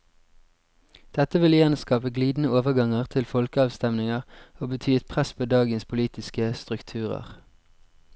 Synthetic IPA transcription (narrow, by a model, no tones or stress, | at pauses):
d̪̥ɛt̪əʋɪljæːnəskɑːpəɡliːd̪n̩əoːʋəʁɡɑŋəʁt̪ʰɪlfɔlkəɑːʋst̪ɛmnɪŋəʁoːbət̪ʰyːɛt̪pʰʁɛspʰoːd̪ɑːɡənspʰʊliːt̪ɪskəst̪ʁʉkt̪ʰʉːʁə̰ʁ